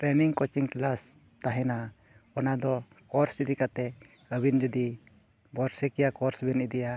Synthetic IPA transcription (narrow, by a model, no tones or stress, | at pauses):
ɾɛniŋkɔt͡ʃiŋklas | t̪aɦɛna | ɔnad̪ɔ | kɔɾsid̪ikat̪ɛ | əbind͡ʒɔd̪i | bɔɾsɛkɛjakɔɾsbɛnid̪ija